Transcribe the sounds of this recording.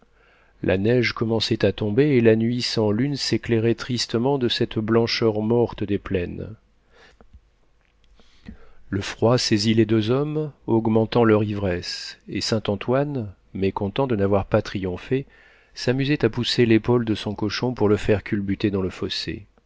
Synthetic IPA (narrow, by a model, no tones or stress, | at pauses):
lʔa̰nɛʒkɔmɑ̃sɛt̪at̪ɔ̃beːlanɥisɑ̃lynsekleʁɛt̪χist̪əmɑ̃d̪əsɛt̪blɑ̃ʃœʁmɔʁt̪d̪eplɛn | ləfχwaseziled̪øzɔmɔɡmɑ̃t̪ɑ̃lœʁivʁɛsesɛ̃t̪ɑ̃t̪wan | mekɔ̃t̪ɑ̃d̪ənavwaʁpat̪χijɔ̃fe | samyzɛt̪apuselepold̪əsɔ̃kɔʃɔ̃puʁləfɛʁkʲʰylbyt̪ed̪ɑ̃ləfɔsḛ